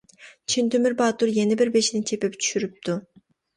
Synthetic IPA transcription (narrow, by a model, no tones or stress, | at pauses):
t͡ʃʰint̪ømiɾbɑːt̪uɾjenibiɾbeʃinit͡ʃʰepept͡ʃ̪ʰy̥ʃyɾyp̚t̪u